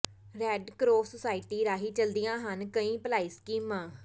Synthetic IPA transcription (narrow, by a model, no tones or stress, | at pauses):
ɾɛːɖkɾoːsəsaːɪʈiːɾaːɦiːt͡ʃəld̪ɪjãːɦənkəĩːpəlaːiːskiːmãː